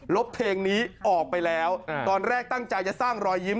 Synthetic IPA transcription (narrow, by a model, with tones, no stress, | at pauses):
lo˦˥p̚pʰeː˧ŋniː˦˥ʔɔː˨˩k̚pa˧jlɛː˦˥wt̪ɔː˧nɾɛː˥˩k̚t̪a˥˩ŋt͡ɕa˧jt͡ɕa˨˩saː˥˩ŋɾɔː˧jːi˦˥